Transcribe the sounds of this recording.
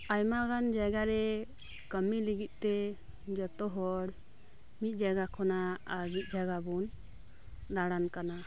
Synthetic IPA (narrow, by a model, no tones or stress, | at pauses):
ajmakand͡ʒaɡaɾɛ | kəmiliɡit̪̚ˀt̪ɛ | d͡ʒɔt̪ɔɦɔɽ | mit̪̚ˀd͡ʒaɡakʰɔnaaɾmit̪̚ˀd͡ʒaɡabun | d̪aɽankana